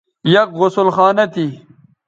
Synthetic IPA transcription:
jɐkɣʊsʊlxaːnɐt̪ʰi

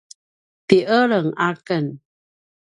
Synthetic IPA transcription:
t̪iʔəɭəŋakən

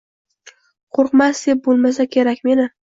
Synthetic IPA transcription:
qʰoɾqmasd̪ep̚bolˠmas̬akʲʰe̞ɾakʲme̞nɪ

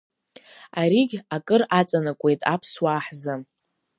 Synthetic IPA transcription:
aɾiɡʲakʼɨrat͡sʼanakʷʼe̞jtʼapʰswaːħzɨ

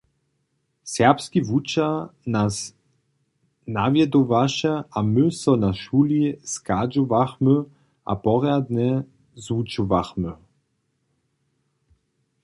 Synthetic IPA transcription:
sɛʁpskivut͡ʃanas | navjɛd̪ɔvaʃɛʔamɵsɔnaʃuːliskad͡ʒɔvaxmø | ʔa̰pɔʁjad̪nɛ | zut͡ʃuvaxmø

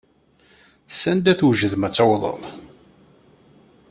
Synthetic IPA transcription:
sænd̪æθwʒəðmæt͡sːawðˤə̰nˤ

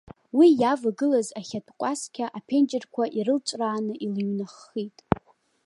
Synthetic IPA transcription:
wijavaɡɨlazaχʲatʰʼqʷʼaskʲʰaʔapʰe̞nd͡ʒɪrkʷʰaʔiɾɨlt͡ʃʷʼraːnɨʔilɥnaχːitʼ

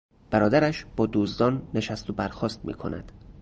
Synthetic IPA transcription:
b̥æɾɒːd̪æɾæʃb̥ɒːd̪uːzd̪ɒːnːe̞ʃæst̪obæɾxɒːst̪̚mḭːkʰo̞̰nʔæ̰d̪̥

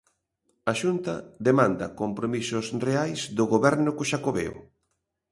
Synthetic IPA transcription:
aʃunt̪ɐ̰ðemãnd̪ɐkompɾomisʊsreajsd̪ʊɣoβɛɾnʊkʊʃakoβḛo̰

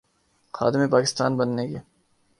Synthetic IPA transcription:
xa̰ːd̪ɪmẽpaːkɪst̪aːnbɐnːeːkeː

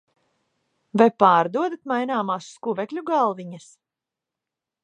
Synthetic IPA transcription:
vajpaːɾd̪uɔd̪at̪̚majnaːmaːsːkuvɛklʲuɡalˠviɲas

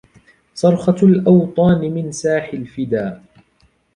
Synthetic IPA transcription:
sˤɑɾˤxɑlʔɑwt̪ˤɑːnɪmɪnsaːħɪlfɪd̪aː

